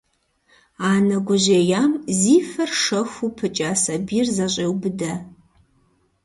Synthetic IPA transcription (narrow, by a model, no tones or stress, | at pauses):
aːnɐɡʷʊʑeːjaːmziːfɐrʂɐxʷupʰɨt͡ʃʼaːsɐbiːrzɐɕʼeːwbɨdɐ